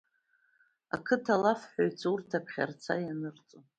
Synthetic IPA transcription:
a̰kʰɨtʰalafħᶣajt͡sʰurtʰapʰχʲa̰rt͡sʰa̰janɨrt͡sʼo

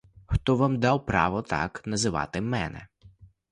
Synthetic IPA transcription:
xt̪ɔʋamd̪ɑwpɾɑ̰ʋɔt̪ɑ̰knɐzɪʋɑ̰t̪ɪmɛ̰nɛ̰

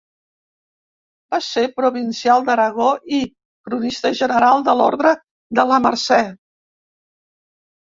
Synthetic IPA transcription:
b̥asepɾuβinsijalˠd̪əɾəɣ̞oʔi | kɾunist̪əʒənəɾalˠd̪əlɔ̰ɾðɾə | d̪ələmə̰ɾsɛ

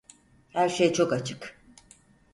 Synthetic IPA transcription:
hæɾʃejt͡ʃʰo̞kat͡ʃʰɯ̥k

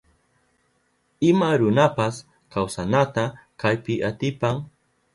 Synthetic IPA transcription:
ɪmaɾʊnapas | kawsanat̪akajpɪʔat̪ɪpaŋ

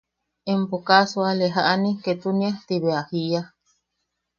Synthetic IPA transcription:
empokaswaleɦaʔaniket̪uniat̪iβeahija

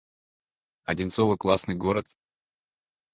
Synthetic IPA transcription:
ɐdʲɪnt̪sovɨklˠasnɨjɡoɾət̪

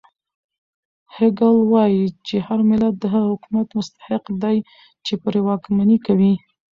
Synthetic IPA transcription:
hɪɡalwɑjit͡ʃehaɾmɪlat̪̚d̪əɦaɣahʊkumat̪mʊst̪ḁhɪqd̪aj | t͡ʃepuɾewɑkmanikawi

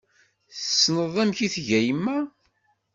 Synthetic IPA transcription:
θəsːnəðˤæmçiθʝæjmːæ

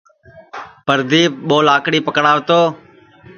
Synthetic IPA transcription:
pəɾd̪iːɓoːlaːkɽiːpəkɽaːʋt̪oː

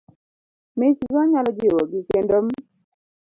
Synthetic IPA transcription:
met͡ʃizɔɲalɔd͡ʒɪwoɡikendom

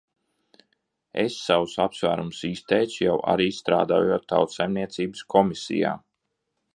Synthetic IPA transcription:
ḛsːawsapsvæːɾumsiːst̪ɛjt̪sjawʔa̰ɾiːst̪ɾa̰ːd̪a̰ːjuːt̪ːa̰wt̪sajmniɛt̪siːbɨ̥skʰɔmisḭja̰ː

